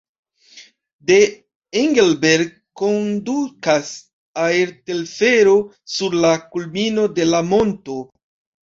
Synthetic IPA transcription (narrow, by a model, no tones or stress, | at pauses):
de̞ | iŋɡelbeɾɡ̚ | kːondukas | aeɾtelfe̞ɾo̞ | suɾlakulmino̞de̞lamo̞nto̞